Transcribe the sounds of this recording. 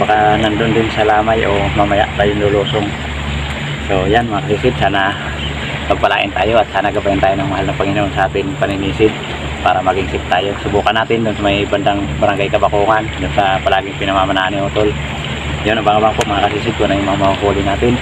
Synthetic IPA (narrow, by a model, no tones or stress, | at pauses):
bakanand̪und̪ɪnsalamajʔomamaja̰ʔt̪ajundulusʊŋ | sojanmaŋakasisɪt̪̚sana | paɡ̚palaʔɪ̰nt̪ajuat̪̚sanaɡabaint̪ajanaŋmaɦalnapəŋinnsaat̪ɪnpaninisɪt̪̚ | paɾamaɡiŋsɪp̚t̪ajusubukanːat̪ɪnd̪ʊnsamajband̪aŋbaɾaŋɡajkabakuŋand̪ʊnsapalaɡɪŋpinamamananiut̪ʊl | jʊnbaŋabaŋpuʔmaŋakasis̬ɪk̪̚kunajumaŋamauɦulinat̪ɪn